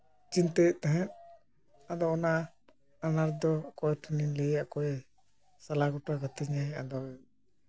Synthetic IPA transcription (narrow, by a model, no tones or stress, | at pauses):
t͡ʃint̪ɛt̪ɛɦɛ̃t̪̚ | ad̪ɔɔna | anaɾd̪ɔkɔɛt̪ʰaninlɛjaʔkɔɛ | salaɡɔʈakat̪iɲɛa̰d̪ɔ